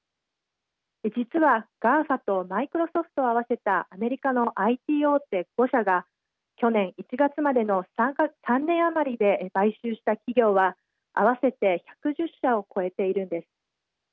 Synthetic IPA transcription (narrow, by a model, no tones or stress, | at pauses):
ed͡ʑit͡sɨβaɡ̥ãɰ̃ɸat̪o̞maikɯ̟ɾo̞so̞ɸɯ̟̥t̪o̞aβ̞ase̞t̪aʔːme̞ɾʲikano̞ʔait̪ʲiːo̞ːt̪ːe̞ɡ̥o̞ɕaɡa | kʲo̞nẽ̞ɰ̃it͡ɕiɡat͡sɨmad̪e̞no̞ssãnːẽ̞ɰ̃amaɾʲid̪e̞baiɕɨːɕi̥t̪akʲiɡʲo̞ːβa | a̰β̞ase̞t̪e̞çḁkɯ̟ʑɨɕːao̞kʰo̞e̞t̪e̞iɾɯ̟̃nd̪e̞sɨ̥